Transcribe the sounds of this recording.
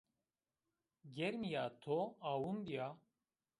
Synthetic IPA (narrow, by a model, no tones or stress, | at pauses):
ɡɛɾmijaːt̪ʰoaːwumbijaː